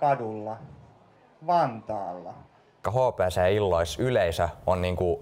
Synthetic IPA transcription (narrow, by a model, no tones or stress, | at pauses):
kɑdulːɑ | ʋɑnt̪ɑːlːɑ | kɑɦoˑpæːsæilːoisyleisæonniːŋku